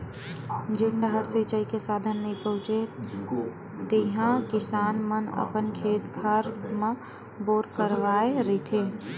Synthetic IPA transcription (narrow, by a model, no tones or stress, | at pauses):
d͡ʒɪnd̪əɦəɽsət͡ʃəikesaːd̪ʱənːəĩpəɦʊ̃t͡ʃe | t̪eɦãkɪsaːnmənə̰pənkʰeːt̪kʰaɾmẽ | boːɾkəɾʋaːeɾəit̪ʰe